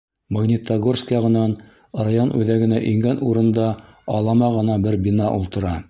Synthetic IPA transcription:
moɡnʲit̪aɡorskjɑʁɤ̆nɑn̆ | ɾɑjɑnʔʉðæɡɘ̆næʔiŋɡænuɾɤ̆nd̪ɑ | ɑlˠɑmɑʁɤ̆nɑbɘɾbʲinɑʔulˠt̪ɤ̆ɾɑ

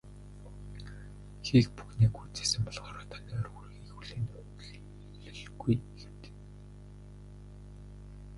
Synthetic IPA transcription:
xikpuxniːkujt͡se̥ːsɘ̆mpɔɮʁaːɾɔːt̪ʰanʲiːɔrɣurɣiːxuɮeːnʊ | ɮɘ̆ɮɣujxewt̪ɘ̥k

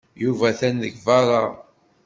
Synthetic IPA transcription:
juvæθænðəɡvɑɾˤɑ

